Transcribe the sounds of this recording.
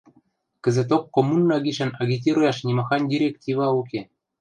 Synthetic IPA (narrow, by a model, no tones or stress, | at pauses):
kɘ̆zɘ̆t̪̬okːomunːɑɡʲiʃɘ̆nɑɡʲit̬ʲiɾujɑʃnʲimɑxɑnʲdʲiɾʲektʲivɑukʲe